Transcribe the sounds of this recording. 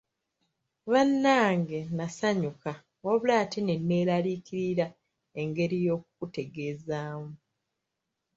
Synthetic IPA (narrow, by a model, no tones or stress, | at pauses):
βanːaːŋɡe̞nasaɲuka | oβulaːtine̞nːe̞ːlaliːkiɾiɾa | e̞ŋɡe̞ɾijo̞ːk̚ukute̞ɡe̞ːzaːmu